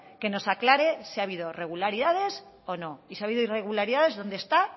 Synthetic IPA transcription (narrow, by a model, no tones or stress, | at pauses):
ke̞no̞saklaɾe̞siaβiðo̞re̞ɣ̞ulaɾiðaðe̞s | o̞no̞isiaβiðoire̞ɣ̞ulaɾiðaðe̞zðo̞nd̪est̪a